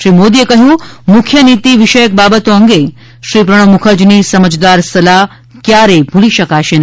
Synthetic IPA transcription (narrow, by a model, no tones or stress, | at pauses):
ʃɾimod̪iekəɦjũmukʰjənit̪iʋɪʃəjək̚babət̪oəŋɡe | ʃɾip̬ɾəɽ̃əmukʰəd͡ʒnisəməd͡ʒd̪aɾsəla | kjaɾebʱuliʃəkaʃen